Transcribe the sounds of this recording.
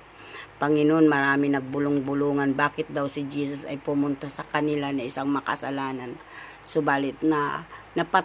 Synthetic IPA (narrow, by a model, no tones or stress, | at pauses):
pɐŋɪnoʔonmɐɾaːmɪnɐɡ̚bʊlʊŋbʊluːŋanbaːkɪt̪̚d̪awsɪd͡ʒiːsʊsɐ̰jpʊmʊnt̪asɐkɐnɪlanɐɪsaŋmakɐ̰salaːnan | sobaːlɪt̪̚nɐnɐpa